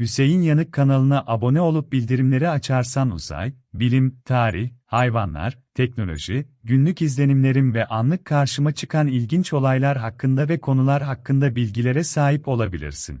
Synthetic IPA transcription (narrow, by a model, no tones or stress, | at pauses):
hyse̞jinjanɯkʰːanalˠɯnaʔabo̞nɛo̞lˠup̚bilʲd̪iɾimlʲe̞ɾiat͡ʃʰaɾsanṵza̰j | bilʲimt̪ʰaːɾiçhajvanlˠa̰ɾ̥t̪ʰɛcno̞lʲo̞̰ʒiɟynlʲycizlʲe̞nimlʲe̞ɾinvɛʔanlˠɯkʰːaɾʃɯmat͡ʃʰɯ̥kʰanilʲɟint͡ʃo̞lˠajlˠaɾɦakːɯnd̪avɛkʰo̞nulˠaɾɦakːɯnd̪abilʲɟilʲe̞ɾɛsaːɦipo̞lˠabilʲḭɾsḭn